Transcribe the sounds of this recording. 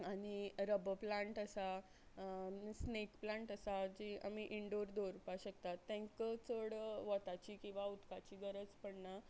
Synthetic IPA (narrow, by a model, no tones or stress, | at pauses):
aɽ̃iɾəbplãɳʈəsa | snekplãɳʈəsad͡ʑia̰miʔiɳɖoɾd̪oɾpaɕək̚t̪at̪ːɛ̃ŋkət͡səɽʋɔt̪at͡ɕiːkĩw̃ʋaut̪kat͡ɕiːɡəɾət͡spəɽna